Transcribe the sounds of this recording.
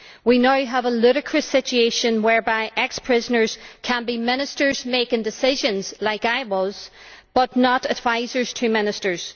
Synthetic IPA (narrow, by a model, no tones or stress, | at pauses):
winaʊəvəlˠɪɾɪkʰɹ̥əsɪt͡ʃʉeʃə̃nwɛ˞baɪʔɛkspʰɹ̥ɪzənə˞z̥kʰə̃nbimɪ̃ñɨstə˞zmeɪkɪ̃ŋdɪsɪʒə̃nz̥laɪkaɪwɔz̥ | b̥ʌtⁿnəɾədvaɪzə˞z̥tʰɨmɪ̃nɨstə˞z̥